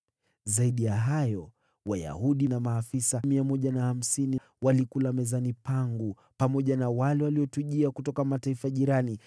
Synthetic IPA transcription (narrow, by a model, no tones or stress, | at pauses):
zaiɗijaɦajɔ | waja̰huɗinamaːfisamiamɔʄanaham̩sini | walikulamɛzanipaŋɡu | pamɔʄanawalɛwaliɔtuʄiakutɔkamataifaʄiɾani